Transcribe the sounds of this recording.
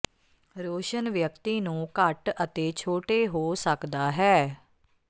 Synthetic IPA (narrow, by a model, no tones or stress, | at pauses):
ɾoːʃənʋjəkt̪iːnũːkəʈət̪eːt͡ʃʰoːʈeːɦoːsəkd̪aːɦɛː